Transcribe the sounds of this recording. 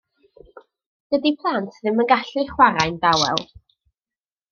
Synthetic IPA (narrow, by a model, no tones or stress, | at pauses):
ɡ̥ədipʰlˠantʰðɪmənɡaɬɨχwaɾajndawɛ̰lˠ